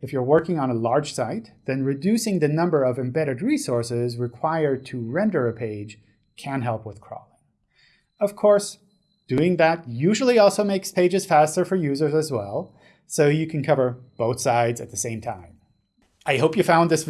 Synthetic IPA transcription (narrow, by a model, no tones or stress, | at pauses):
ɨfjə˞wɜ˞kɪ̃ŋə̃ñəlɑɹd̥ʒ̥saɪt̪̚ðɨ̃nɹɨdʉsɪ̃ŋðɨnʌ̃mbə˞ʌvɨ̃mbɛɾɨd̚ɹisɔɹsɪzɹɨkʰw̥aɪə˞d̚tʰɨɹɛ̃ndə˞ɨpʰeɪd̥ʒ̥ | kʰɨ̃nɦɛlˠpwəð̥kʰɹ̥ɔ̰lˠɪ̃ŋ | ʌv̥kʰɔɹs | d̥ʉɪ̃ŋðɨt̚jʉʒl̩ˠiɔlˠsoʊmeɪkspʰeɪd͡ʒɨz̥fæstə˞fə˞jʉzə˞zɨzwɛlˠ | soʊjɨkʰɨ̃n̩kʰʌvə˞b̥oʊθsaɪdzɨ̰t̪̚ðɨsẽɪ̃mtʰãɪ̃m | ʔaɪɦoʊpjɨfãʊ̃nðɪs